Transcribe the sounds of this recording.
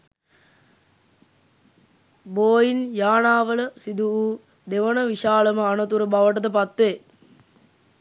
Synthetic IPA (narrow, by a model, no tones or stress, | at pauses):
boːjinjaːnaːʋələsid̪uu | d̪eʋənəʋiʃaːləməanət̪uɾəbaʋəʈəd̪əpat̪ʋe